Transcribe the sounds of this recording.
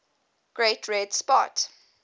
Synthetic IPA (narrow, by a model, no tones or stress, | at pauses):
ɡ̥ɹetʰɹɛdspɔ̰t